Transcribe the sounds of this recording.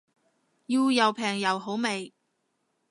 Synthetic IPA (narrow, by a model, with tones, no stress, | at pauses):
jiː˧wjɐ˨wpʰɛː˨˩ŋjɐ˨wɦo˨˥wme˨j